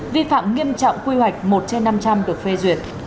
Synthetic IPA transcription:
vi˧fa̰ː˧˨mŋi˧əmt͡ɕɔ̰˧˨wŋ͡mkwi˧hwa˨˩jk̟̚mo˨˩t̚t͡ɕe˧nːa˧mt͡ɕa˧mɗɨ˨˩ək̚fe˧zwi˨˩ət̚

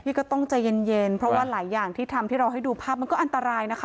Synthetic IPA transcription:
t̪ʰiː˥˩kɔː˥˩t̪ɔ˥˩ŋt͡ɕa˨˩je˧nje˧npʰɾɔ˦˥waː˥˩laː˩˦jːaː˨˩ŋt̪ʰiː˥˩t̪ʰa˧mt̪ʰiː˥˩ɾa˧wɦa˥˩jduː˧pʰaː˥˩p̚ma˧nkɔ˥˩ʔa˧nt̪a˧ɾaː˧jna˦˥kʰ

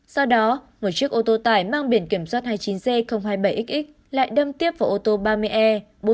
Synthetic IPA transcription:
sɔ˧wɗɔ˨˦ | mo˨˩t̚t͡ɕi˦˥ək̚ʔo˧t̪o˧t̪aː˧˩jmaː˧ŋɓi˧˩ənki˧˩əmswaː˦˥t̚haː˧jt͡ɕi˨˦nze˧xə˧wŋ͡mɦaː˧jɓə˧˩jʔi˦˥k̚ʔï˦˥k̚ | la̰ː˧˨jɗə˧mt̪i˦˥əp̚vaː˧˩ʔo˧t̪o˧ɓaː˧mɨ˧əjʔɛ˧ | ɓo˨˦

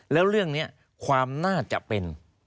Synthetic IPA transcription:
lɛː˦˥wɾɯ˥˩əŋni˦˥ɐ | kʰwaː˧mnaː˥˩t͡ɕa̰˨˩ʔpe˧n

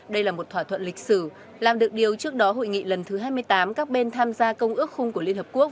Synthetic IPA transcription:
ɗə˧jlaː˨˩mo˨˩t̚t̪ʰwaː˧˩t̪ʰwə̰˧˨nlï˨˩k̟̚sɨ˧˩ | laː˨˩mɗɨ˨˩ək̚ɗi˨˩əwt͡ɕɨ˦˥ək̚ɗɔ˨˦ɦo̰˧˨jŋḭ˧˨lə˨˩nt̪ʰɨ˨˦ɦaː˧jmɨ˧əjt̪aː˨˦mkaː˦˥k̚ɓe˧nt̪ʰaː˧mzaː˧kə˧wŋ͡mʔɨ˦˥ək̚xʊ˧ŋ͡mku˧˩əli˧ənhəː˨˩ku˦˥ə

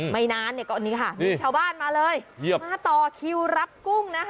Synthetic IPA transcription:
ma˥˩jnaː˦˥nːi˥˩ɐkɔː˥˩˨niː˦˥kʰa˥˩miː˧˩t͡ɕʰaː˥˩wbaː˥˩nmaː˧lɤː˧jji˥˩əmaː˧˥˩t̪ɔː˨˩kʰi˧wɾa˦˥p̚ku˥˩ŋna˦˥

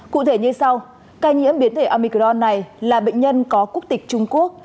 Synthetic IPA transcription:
kṵ˧˨t̪ʰe˧˩ɲɨ˧sa˧w | kaː˧jɲḭ˧˥əmɓi˨˦nt̪ʰe˧˩ʔaː˧mi˧kɔ˧nːa˨˩jlaː˨˩ɓə̰˧˨ŋ̟ɲə˧nkɔ˨˦ku˦˥ək̚t̪ï˨˩k̟̚t͡ɕʊ˧ŋ͡mku˦˥ək̚

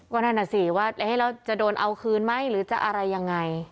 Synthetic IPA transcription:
kɔː˥˧˩naː˥˩nːa˧˩si˧˩waː˥˩a˧ha˥˩jɾa˧wt͡ɕa˨doː˧nʔa˧wkʰɯː˧nma˥˩jɾɯː˩˦t͡ɕa˨˩ʔa˧ɾa˧jːa˧ŋːa˧j

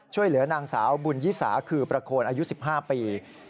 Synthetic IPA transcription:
t͡ɕʰu˥˩əjlɯ˩˦ɐnaː˧ŋsa̰ː˩˦wbu˧njiː˦˥sa̰ː˩˦kʰɯː˧pɾa˧kʰoː˧nʔaː˧ju˦˥si˨˩p̚ɦaː˥˩piː˧

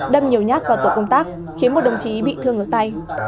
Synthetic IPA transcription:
ɗə˧mɲi˨˩əwɲaː˦˥t̚vaː˨˩t̪o̰˧˨˩kə˧wŋ͡mt̪aː˦˥k̚ | xi˨˦ənmo˨˩t̚ɗə˨˩wŋ͡mt͡ɕi˨˦ɓḭ˧˨t̪ʰɨ˧əŋʔəː˧˩t̪a˧j

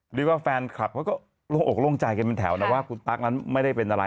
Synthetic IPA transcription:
ɾɯː˨˦waː˥˩fɛː˧nkʰa̰˨˩p̚ʰːwkɔː˥˩ | lo˧˥˩ŋʔo˨˩loː˥˩ŋt͡ɕaː˧jka˧npe˧nt̪ʰɛː˩˦wna˦˩waː˥˩kʰu˧nt̪a˦˥k̚na˦˥nma˥˩jda˥˩jpe˧nʔa˧a˧

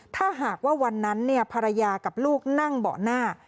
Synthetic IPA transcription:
t̪ʰaː˥˩ɦaː˨˩k̚waː˥˩wa˧nːa˦˥nːi˥˩ɐpʰa˧ɾa˧jaː˧ka˨˩p̚luː˥˩k̚na˥˩ŋbɔ̰ː˨˩naː˥˩

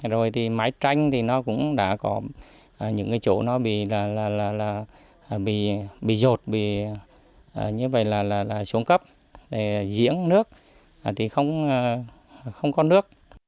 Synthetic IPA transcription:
zo˨˩jt̪ʰi˨˩maː˨˦jt͡ɕa˧jŋ̟t̪ʰi˨˩nɔ˨˦kʊ̰˧˥ŋ͡mɗa̰ː˧˥kɔ˨˦ | ʔːɲɨ̰˧˥ŋkaː˨˦jt͡ɕo̰˧˩nɔ˨˦ɓḭ˧˨laː˨˩laː˨˩laː˨˩laː˨˩˨ | ɓḭ˧˨ɓḭ˧˨zo˨˩t̚ɓḭ˧˨ | ʔəː˨˩ɲɨ˧və̰˧˨jlaː˨˩laː˨˩laː˨˩su˨˦ŋkə˦˥p̚ | ɗe˨˩˨zḭ˧˥ənnɨ˦˥ək̚ː | t̪ʰi˨˩xə˧wŋ͡m | xə˧wŋ͡mkɔ˨˦nɨ˦˥ək̚

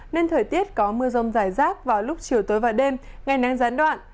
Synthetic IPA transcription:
ne˧nt̪ʰəː˨˩jt̪i˦˥ət̚kɔ˨˦mɨ˧əzə˨˩wŋ͡mzaː˧˩jzaː˦˥k̚vaː˨˩wlʊ˦˥k͡p̚t͡ɕi˨˩əwt̪oː˨˦jvaː˨˩wɗe˧mŋa˨˩jna˨˦ŋzaː˨˦nɗwa̰ː˧˨nʔ

